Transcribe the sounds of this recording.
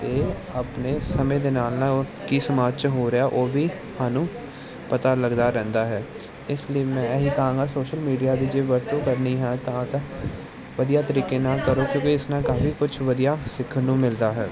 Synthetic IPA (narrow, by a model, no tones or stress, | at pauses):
t̪eː | apneːsəmẽːd̪eːnaːlnãkiːsəmaːd͡ʒt͡ʃɦoːɾəaːʔoːbʱiː | haːnũː | pət̪aləɡd̪aːɾɛ̃ːnd̪aːɦɛː | ɪsliiːmɛ̃ːɦiːkəɦãːŋɡaːsoːʃəlmiːɖijaːd̪iːd͡ʒeːʋəɾt̪õːkəɾniːɦɛ̃ːt̪ãːt̪ã | ʋəd̪ijaːt̪əɾiːkeːnãːkəɾõːkjõːkiɪsnãːkaːfʰiːkʊt͡ʃʰʋəd̪ijaːsɪkʰːəɾnũːmɪld̪aːɦɛː